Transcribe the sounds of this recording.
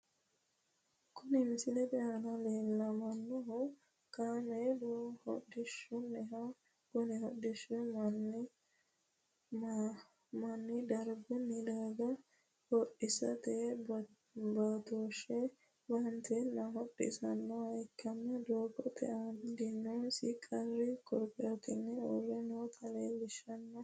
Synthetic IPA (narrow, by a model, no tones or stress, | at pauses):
kʊnɪmɪsɪnɛd̪ɛʔɐnɐleːlːɐmɐnːɔɦʊ | kaːmɛd̪ohɔ̰ɗɪʃːʊnːɛɦɐ | kʊnɪhɔdɪʃːʊmɐn | mɐnːɪd̪ɐɾɡʊnːɪd̪aːɡɐ | hɔʔɪsɐt̪ɛ | baːt̪oːʃɛ | bɐnt̪ɛnɐɦɔɗːɪ̰sɐnːɔhɐjkːɐnːɐd̪oːkːɔt̪ʰɛ̰ʔɐd̪ɪnːɔsɪkʼɐɾːɪkʰʼɔɾpʼːɛɾɐt̪ɪnːɛɔɾːɛnot̪ʰɐleːlɪʃɐnːɔ